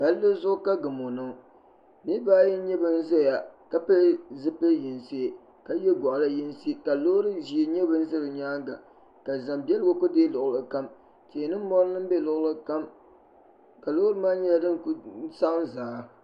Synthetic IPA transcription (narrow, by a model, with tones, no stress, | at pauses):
ba˨˦llɨ˦zʊ˦ʔʊ˦ka˦ɡɨ˨mʊ˨nɨ˨˦ | mi˦baː˦jɛ˦ɲɛ˦bɨ˦n̩˦zɛ˦˨ja˨ka˦pe˦zɨ˦pe˦ji˨nsi˦ | ka˦jɛ˦ɡɔ˨ʔla˦ji˦nsi˦ka˨lo˦ɾɨ˦zi˨ɲɛ˦bɨ˦n̩˦zɨ˦ɾɨ˨ɲaː˦ŋɡa˨ | ka˨za˨mbɛ˦lɡo˦kʊ˦deː˦lʊ˨ʔlɨ˨ka˦m | te˨nɨ˦m˦mɔ˦ɾnɨ˦m˦bɛ˦lʊ˨ʔlɨ˦ka˦m | ka˨lo˦ɾɨ˦maː˦ɲɛ˦a˦dɨ˦nksa˦ʔnzaː˨˦